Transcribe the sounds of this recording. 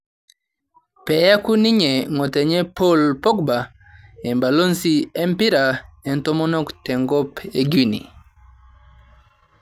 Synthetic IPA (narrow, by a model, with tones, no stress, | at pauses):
pɛ˨ja˦ku˦ni˦ɲɛ˨ŋɔ˨tɛ˨ɲɛ˦po˦lpɔ˦k̚ba˨ | ɛ˨mba˨lo˦nsi˦ɛ˦mpi˦ɾa˨ɛ˨ntɔ˦mɔ˦nɔ˦ktɛ˨ŋɡɔ˦pe˦ɡu˦nḭ˨